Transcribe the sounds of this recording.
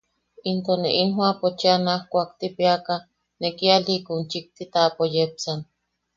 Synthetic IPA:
int̪oneʔinɦwapot͡ʃianahkʷaːkt̪ipiaka | nekialikunt͡ʃik̚t̪it̪apojep̚t͡san

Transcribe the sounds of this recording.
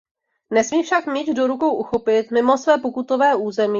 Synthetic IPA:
nɛsmiːfʃakmiːt̪do̞ɾuko̞wʔuxo̞pɪt̪mɪmo̞svɛːpokut̪o̞vɛːʔuːzɛmiː

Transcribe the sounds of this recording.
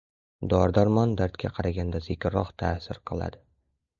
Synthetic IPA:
d̪ɒɾd̪aɾmɒnd̪aɾt̪kʲʰaqʰɑɾaɡʲand̪azɪkʲɾɒqt̪ʰasɪɾqʰɨlˠa̰d̪ɪ

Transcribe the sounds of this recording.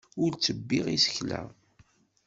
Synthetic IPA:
ʊɾt͡sːəbːiʁisə̥çlæ̰

